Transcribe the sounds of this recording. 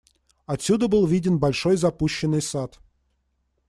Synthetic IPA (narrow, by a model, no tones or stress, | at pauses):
ɐtsʲud̪əbɨlˠvʲidʲɪnbɐlʲʂojzɐpuɕːɪnːɨjsat̪